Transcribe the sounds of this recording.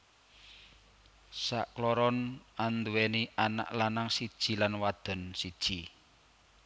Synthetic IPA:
sa̰ʔklɔɾɔnand̪uweniʔana̰ʔlanaŋsid̥ʒ̥i̤lanwad̪̥ə̤nsid̥ʒ̥i

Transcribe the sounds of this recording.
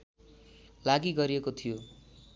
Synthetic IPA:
laɡiɡʌɾiekot̪ʰijo

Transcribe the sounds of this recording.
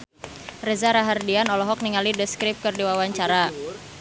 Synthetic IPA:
rəzaɾaɦardianɔlɔɦɔk̚niŋalidəskɾɪp̚kərdiwawaɲt͡ʃaɾa

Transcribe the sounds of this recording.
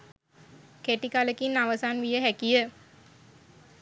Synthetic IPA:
keʈikaləkinːaʋəsanʋijəɦækijə

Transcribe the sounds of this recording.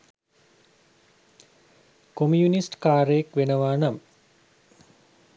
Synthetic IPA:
komjunisʈkaːɾəjekʋenəʋaːnam

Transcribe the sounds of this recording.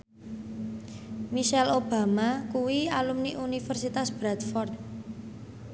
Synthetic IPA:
miʃɛlob̥a̤makuwialumniʔunifərsit̪asb̥ɾat̪fɔrd̪̚

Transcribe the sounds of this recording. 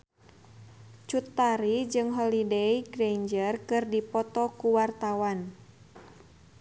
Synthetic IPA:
t͡ʃut̪ːaɾid͡ʒɨŋɦɔlideiɡɾeɲd͡ʒərkɨrdipɔt̪ɔkuwart̪awan

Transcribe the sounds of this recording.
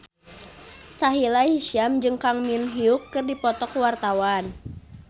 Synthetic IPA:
saɦilahiʃiamd͡ʒɨŋkaŋminɦiukːɨrdipɔt̪ɔkuwart̪awan

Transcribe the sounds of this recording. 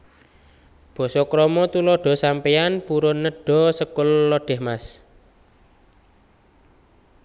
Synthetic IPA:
b̥ɔ̤sɔkɾɔmɔt̪ulɔɖ̥ɔ̤sampeanpuɾʊnːəɖ̥ɔ̤səkʊlːɔɖ̥ɛ̤hmas

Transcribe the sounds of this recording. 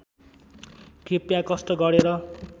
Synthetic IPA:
kʰepjakʌst̪ʌɡʌɽeɾʌ

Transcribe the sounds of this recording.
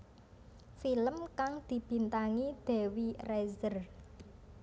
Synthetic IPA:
filəmkaŋd̪̥i̤b̥i̤nt̪aŋid̪̥e̤wirɛzər

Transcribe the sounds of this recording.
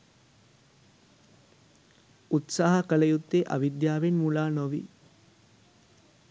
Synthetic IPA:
ut̪saːɦɐkɐlɐjut̪ːeʔa̰ʋid̪jaːʋenmulaːnoʋḭ

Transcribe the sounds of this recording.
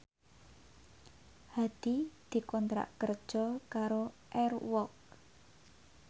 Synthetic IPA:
had̪̥id̪̥i̤kɔnt̪ɾa̰ʔkərd̥ʒ̥ɔ̤kaɾo | ʔɛrwɔk̚

